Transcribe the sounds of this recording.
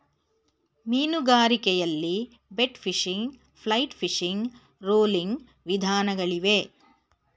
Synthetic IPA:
miːnuɡaːɾikɛjɐlːi | beʈpʰiʂiŋɡ | pʰlɐjʈpʰiʂiŋɡ | ɾoːliŋɡ | ʋid̪ʱaːnɐɡɐɭiʋe

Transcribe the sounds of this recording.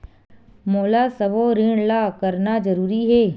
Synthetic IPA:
moːlasɐboɾiɳlakɐɾnad͡ʒəɾuːɾiɦɛː

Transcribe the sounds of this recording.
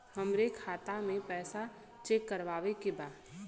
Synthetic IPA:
həmɾekʰaːt̪amẽpɛːsa | t͡ʃekːəɾʋaːʋekebaːd̪

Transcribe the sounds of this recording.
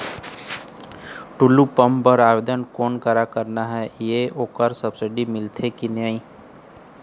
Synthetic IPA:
ʈulupəmpəɾaːbed̪ənkoːnkaɾakəɾnaɦɛjeoːkəɾsəbsɪɖimɪlt̪ʰekinjaːĩ

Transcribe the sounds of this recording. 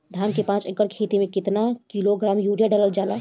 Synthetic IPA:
d̪ʱamkepãt͡ʃəɡəɽkʰet̪imekit̪nakiloɡɾamjuɽijaɖələld͡ʒala

